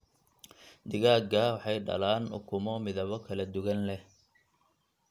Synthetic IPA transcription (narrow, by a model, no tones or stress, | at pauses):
d̪ɪɣaːɡɐwɑħɑjɖɐ̰laːnʊ̰kʰʊmɔmɪðɐβɔkʰɐlɐd̪ʊɣɐnlɛ